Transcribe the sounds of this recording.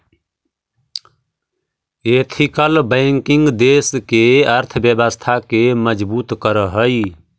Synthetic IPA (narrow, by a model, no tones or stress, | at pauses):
eːt̪ʰikəlbəɪŋkiŋɡd̪eːskeəɾt̪ʰəbjəbəst̪ʰakeməd͡ʒbuːt̪kəɾəɦəi